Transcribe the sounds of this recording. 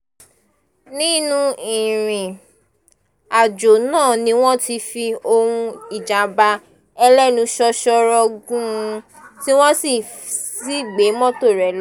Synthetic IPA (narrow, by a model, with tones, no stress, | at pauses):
nĩ˦nũ˧ĩ˨ɾ̃ĩ˨ | a˨d͡ʒo˨nãː˦˨nĩ˧˦w̃ɔ̃˦ti˧fi˧o˧ɾũ˧i˨d͡ʒa˨˦ba˧ | ɛ˧lɛ˦˨nũ˨˧ʃɔ˧ʃɔ˧ɾɔ˧ɡũ˦˧ | ti˦w̃ɔ̃˦si˦˨si˦˨ɡ͡be˨˦mɔ̃˦to˦˨ɾɛ˨l